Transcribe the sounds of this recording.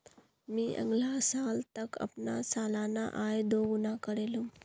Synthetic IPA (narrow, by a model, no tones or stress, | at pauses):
miʔə̰ŋɡlasaːlt̪əkə̰pnasalana̰ʔajd̪oɡunakəɾelu